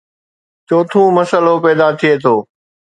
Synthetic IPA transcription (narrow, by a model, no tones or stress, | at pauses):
t͡ʃoːt̪ʰũːmɐsəlopɛːd̪at̪ʰɪeːt̪ʰoː